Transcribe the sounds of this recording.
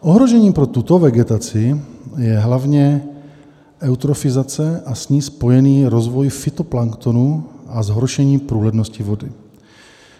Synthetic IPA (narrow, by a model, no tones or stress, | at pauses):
ʔoɦɾoʒɛɲiːmpɾot̪ut̪o̞vɛɡɛt̪at͡sɪjɛɦlavɲɛ | ʔɛwt̪ɾofɪzat͡sɛʔasɲiːspo̞jɛniːɾozvojfɪt̪oplaŋkt̪onuʔazɦɾoʃɛɲiːpɾuːlɛdnoscɪvodɪ